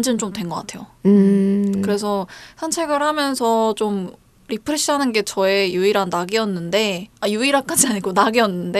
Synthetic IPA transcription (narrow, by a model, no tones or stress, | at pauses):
nd͡ʑɯnt͡ɕomdwe̞nɡʌk͈a̰tʰe̞jo | kɯɾe̞sʰʌsʰant͡ɕʰeɡɯɾhamjʌnsʰʌt͡ɕom | ɾipʰɯɾe̞ɕ͈ʰiɦanɯnɡe̞t͡ɕʌe̞juiɾanːaɡiʌnːɯnde̞ajuiɾak͈ad͡ʑiaɲiɡonaɡiʌnːɯnde